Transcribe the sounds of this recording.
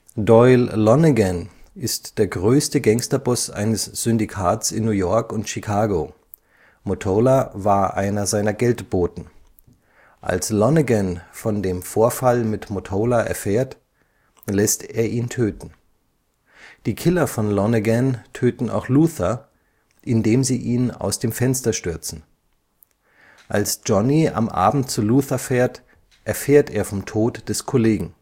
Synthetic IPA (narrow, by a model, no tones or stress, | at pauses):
dɔʏlːɔnəɡɛnʔɪstd̥eːɐɡʁøːstəɡɛŋstɐbʊsʔa̰ɪnəsz̥ʏndikʰaːtsɪ̰nːuːjɔɐkʊntʃikʰaːɡoː | motʰoːlavaːɐʔaɪnɐzaɪnɐɡɛltb̥oːtn̩ | ʔa̰lslɔnəɡɛnfɔndeːmfoːɐfalmɪtmotʰoːlaʔɛ̰ɐfeːɐt | lɛsteːɐʔiːntʰøːtn̩ | d̥iːkʰɪlɐfɔnlɔnəɡɛntʰøːtn̩a̰ʊxluːθɐ | ʔɪndeːmziːʔiːna̰ʊsd̥eːmfɛnstɐʃtʏɐt͡sn̩ | ʔalsd͡ʒ̥ɔnia̰mʔa̰ːbm̩t̚t͡suluːθɐfɛːɐt | ʔɛɐfeːɐteːɐfɔmtʰoːtd̥ɛskʰoleːɡŋ̩